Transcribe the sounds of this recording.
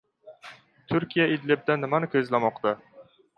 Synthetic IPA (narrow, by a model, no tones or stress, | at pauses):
t̪ʰʊɾkʲijaɪd̪lɪb̚d̪anːɪmanɪkʲʰɵzlamɒqt̪a